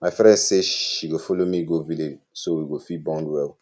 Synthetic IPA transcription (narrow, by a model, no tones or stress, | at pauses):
mafɛɾɛ̃seʃiɡofolomĩɡovile | soiɡofibɔ̃duwɛ